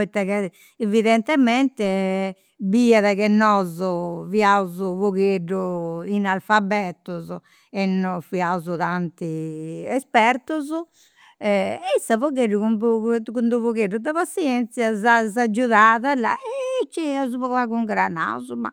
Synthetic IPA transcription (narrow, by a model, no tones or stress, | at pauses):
pit̪ːaɣɛ | eviðɛnt̪ɛmɛnt̪ɛ | biaðaɣɛnːɔzɔviauzuvoɣeɖːuinalfabːɛt̪uzu | ɛnːɔfiauzut̪ant̪iɛspɛɾt̪uzu | ɛisːavoɣeɖuɣumbkund̪uvoɣeɖud̪aβasːiɛnt̪sjazazad͡ʒːuðaːðala̰ɛt͡ʃːɛazuβɔaɣuŋɡɾana̰uzuma̰